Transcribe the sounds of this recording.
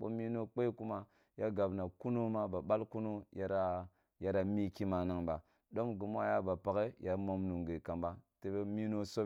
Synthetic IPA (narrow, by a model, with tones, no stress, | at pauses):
ɓo̰˦mi˦no˦k͡pe˦ku˦ma˦ | ja˦ɡa˨bna˨ku˦no˦ma˦ba˨ba˦lku˦no˦ja˦ɾa˦ | ja˦ɾa˨mi˦ki˦ma˨na˨ŋba˨ | do˦mɡi˨mʷ˦a˦ja˦ba˨pa˨ɡe˦ja˨ɾmo˦mnu˨ŋɡe˨ka˨mba˦te˨˦be˦mi˦no˦so˦